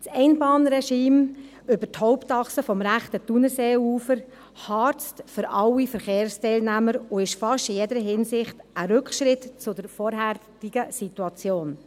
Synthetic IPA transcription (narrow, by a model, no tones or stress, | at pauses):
t͡sɛɪnbɑːnɾɛʃiːm | ʏbəthɔʊptɑχsəfɔmɾæχtətunəseːuːfəɾ | hɑːɾt͡stfʏɾɑwifəɾχeːɾstɛɪlnæməɾʊɪʃfɑʃtijɛdəɾəɦɪnsɪχtəɾʏkχʃɾɪtt͡sʊdəɾfɔːɾɦætiɡ̥əsituɑt͡sjoːn